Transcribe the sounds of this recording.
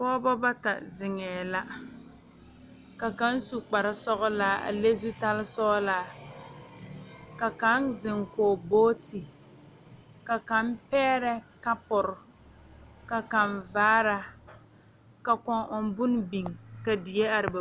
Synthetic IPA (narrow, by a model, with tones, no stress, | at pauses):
pɔː˦bɔ˦ba˦ta̰˨zɪ˨ŋɛː˨la˦ | ka˨ka˦n˦su˨k͡pa˨ɾa˦sɔ˦ɣʊ˦laː˦a̰˨le˦zu˦ta˦lɪ˦sɔ˦laː˦ | ka˨ka˦nzɪ˨ŋkoː˨boː˦ti˨ | ka˨ka˨˦m˦pɛː˦ɾɛ˦ka˦pʊ˨ɾʊ˨ | ka˨ka˨nvaː˦ɾa˦ | ka˨kɔ˨ŋʔɔ˨n˦bʊ˦n˦bi˨ŋka˨di˨je˦a˨ɾɪ˨ba˨